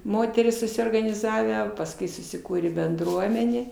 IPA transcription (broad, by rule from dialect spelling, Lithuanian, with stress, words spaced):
ˈmoːtʲɛrʲiːs sʊsʲoːrɡɐnʲɪˈzɑːʋʲæː pɐsˈkʊɪ sʊsʲɪˈkuːrʲeː bʲɛnˈdruɔmʲɛnʲeː